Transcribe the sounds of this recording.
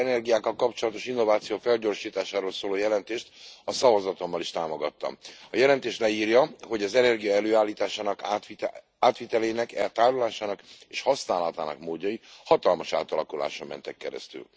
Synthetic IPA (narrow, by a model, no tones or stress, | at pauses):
ɛnɛrɡijaːkːɒlkɒpt͡ʃo̞lɒt̪o̞ʃinːo̞vaːt̪sijoːfɛlɟo̞rʃiːt̪aːʃaːɾoːlsoːloːjɛlɛnt̪eːʃt̪ɒsɒvɒzɒt̪o̞mːɒliʃt̪aːmoɡɒt̪ːɒ̰mɒjɛlɛnt̪eːʃlɛiːrjɒɦo̞ɟɒzɛnɛrɡijɒɛløːaːlːiːt̪aːʃaːnɒk̪ | aːt̪ʋit̪ɛleːnɛkɛlt̪aːɾulaːʃaːnɒkeːʃhɒsnaːlɒt̪a̰ːnɒ̰kmoːɟːɒjihɒt̪ɒlmɒʃa̰ːt̪ɒlɒkula̰ːʃomːɛ̰nt̪ɛkːɛɾɛ̰st̪y̰l